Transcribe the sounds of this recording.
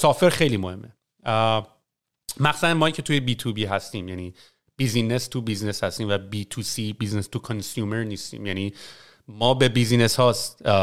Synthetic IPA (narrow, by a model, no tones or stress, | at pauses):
sɒːfeɾxe̞jliːmohe̞mːʔe | mæxsuænmɒːicʰe̞t̪ʰuːjebiːt̪ʰubiːɦæst̪iːmjæniː | b̥izinest̪ʰubizneshæst̪iːmvæbiːt̪ʰuːsiːbiznest̪ʰukʰonsjuːmeɾniːst̪ḭːmjæniː | mɒːbe̞biːzine̞shɒːst̪